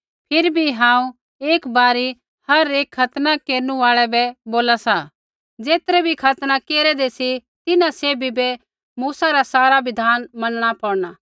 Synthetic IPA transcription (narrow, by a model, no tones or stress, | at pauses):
pʰɪɾibʱiɦãːũ | eːkbaːɾi | hɐɾeːkʰːɐt̪nakeːɾnũaːɭɛbɛboːlasa | d͡zeːt̪ɾɛbʱikʰɐt̪nakeːɾɛd̪esi | t̪ɪnãseːbʱibɛ | muːsaɾasaːɾaʋɪd̪ʱaːnmɐnɽ̃apɔːɽnaː